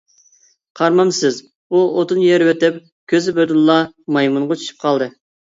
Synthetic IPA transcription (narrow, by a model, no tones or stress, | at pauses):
qʰɑɾmɑmsɪz | uot̪ɨnjɛɾwøt̪ɪp | kʲʰøzɪbød̪ʊlːˠɑmɑjmuɴʁɑt͡ʃʰy̥ʃʰy̥p̚qʰɑlˠd̪ɨ